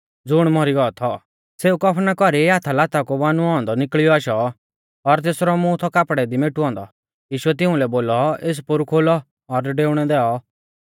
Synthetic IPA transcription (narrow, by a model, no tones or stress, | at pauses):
d͡zʊɽ̃mɔɾiɡɔɔt̪ʰɔ | seːukɔpʰnakɔɾiaːt̪ʰalaːt̪akobaːnuɔ̃ːnd̪ɔnɪkɭɪjɔaːʃɔ | ɔɾt̪̬eːsɾɔmũt̪ʰɔkaːpɽɛd̪imeːʈuɔ̃ːnd̪ɔ̰ | jiːʃʊɛt̪̬ɪʊ̃lɛboːlɔeːs̬pʊɾkʰoːlɔ | ɔɾɖeːʊɽ̃ɛd̪ɛːɔ